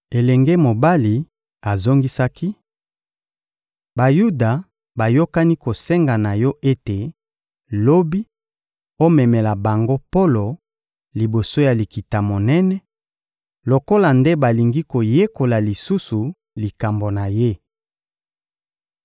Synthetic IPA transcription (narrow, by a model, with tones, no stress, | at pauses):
e˨lɛ˨ŋɡe˦mo˨ba˦li˨ | a˨zo˦ŋɡi˦sa˦ki˦ | ba˨ju˦da˨ | ba˨jo˦ka˦ni˦ko˨sɛ˦ŋɡa˨na˨jɔ˦ʔe˦te˨ | lo˦bi˦ | o˦mɛ˨mɛ˨la˨ba˨ŋɡo˦po˦lo˨ | li˨bo˨so˦ja˨li˨ki˨ta˨mo˨nɛ˦nɛ˦ | lo˨ko˦la˨nde˦ba˨li˨ŋɡi˦ko˨je˦ko˨la˨li˨su˦su˨ | li˨ka˨mbo˨na˨je˦